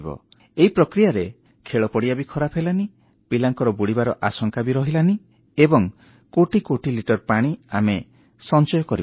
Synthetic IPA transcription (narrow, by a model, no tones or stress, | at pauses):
bɔ̰ | eipɾɔkɾijaɾe | kʰeɭɔpɔɽiabikʰɔɾapʰelani | pilaŋkɔɾɔbuɽibaɾɔʔasɔŋkabiɾɔɦilani | ebɔŋ | koʈikoʈiliʈɔɾpaɽ̃iame | sɔnt͡ʃɔjɔkɔɾi